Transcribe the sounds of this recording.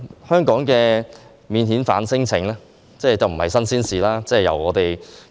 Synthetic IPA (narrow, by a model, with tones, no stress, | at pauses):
hœː˥ŋkɔː˨˥ŋkɛː˧ | miː˨nhiː˨˥nfa̰ː˨˧˥nsɪ˥ŋt͡sʰɪ˨˥ŋlɛː˥ | t͡sɛː˥˩t͡sɐ˨˩wm̩˨˩hɐ˨jsɐ˥nsiː˥nsiː˨laː˥t͡sɛː˥˩jɐ̰˨˩wɔ̰ː˨˧t̪e˨j